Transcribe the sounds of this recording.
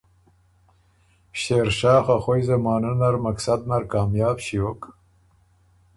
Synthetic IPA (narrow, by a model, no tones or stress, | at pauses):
ɕeːɾʃɑːxaxojzamɑːnunaɾmaksad̪̚naɾkɑːmjɑːbɕiok